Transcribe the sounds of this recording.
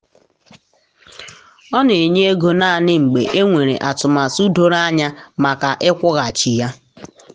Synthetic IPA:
ɔ˦ne˨e˨ɲe˦e˦ɡo˨na˦˨a˨nɪ˦ŋ͡m̩˨ɡ͡bḛ˨ʔe˦ŋʷe˨ɾḛ˨ʔa˨tʊ˨ma˨su˦do˦ɾa˦ɲa˦ma˨ka˨ʔɪ˦kʷʊ˦ɣa˨t͡ʃi˨ja˦

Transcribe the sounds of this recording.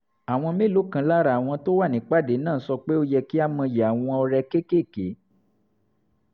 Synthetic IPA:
a˨w̃ɔ̃˧mĩ˦˨lo˨˦kã˧˨la˦ɾa˨w̃ɔ̃˧to˦wa˦˨nĩ˨˦k͡pa˦˨de˨˦nãː˦˨˦sɔ˧k͡pe˦o˧jɛ˧ki˦a˦mɔ̃˧jɛ˨a˨w̃ɔ̃˧ɔ˧ɾɛ˧ke˦ke˦˨ke˨˦

